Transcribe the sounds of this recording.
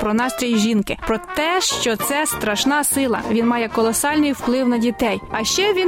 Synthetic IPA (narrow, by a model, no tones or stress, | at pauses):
pɾɔnɑst̪ɾʲijʒʲinkɪpɾɔt̪ɛʃt͡ʃɔt̪sɛst̪ɾɐʃnɑsɪlˠɐ̰ʋʲinmɑjɛkɔlˠɔsɑlʲnɪjwplˠɪwnɐdʲit̪ɛjɐʃt͡ʃɛʋʲi